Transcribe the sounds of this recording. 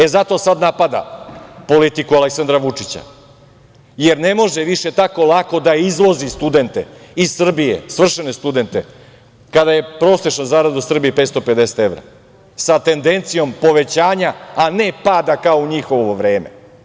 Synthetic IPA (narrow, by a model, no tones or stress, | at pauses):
e̞zat̪o̞sad̪napad̪a̰po̞lit̪ikualeksand̪ɾaʋut͡ʂit͡ɕa̰ | jeɾne̞mo̞ʒeʋiʃe̞t̪ako̞lˠako̞d̪aizlˠozist̪ud̪e̞nt̪e̞̰issr̩bijḛsʋr̩ʃene̞st̪ud̪e̞nt̪e | kad̪aje̞pɾo̞seʃnozaːɾad̪usr̩biepeːt̪st̪ope̞d̪ese̥t̪evɾa̰ | sat̪e̞nd̪e̞nt̪sijo̞mpo̞ʋe̞t͡ɕaːɲaːnepaːd̪akaouɲixo̞ʋʋoʋɾeːmḛ